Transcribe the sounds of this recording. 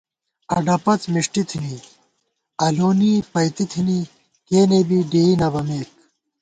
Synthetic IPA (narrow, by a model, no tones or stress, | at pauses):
ɐ̰ɖɐpɐt͡smiʂʈit̪ʰini | ɐloːnipɐjt̪it̪ʰini | keːnebiɖeːinɐbɐmeːk